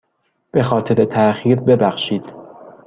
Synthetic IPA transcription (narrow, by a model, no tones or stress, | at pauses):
b̥e̞xɒːt̪ʰe̞ɾe̞t̪ʰæʔxiːɾbe̞bæxʃiːd̪̥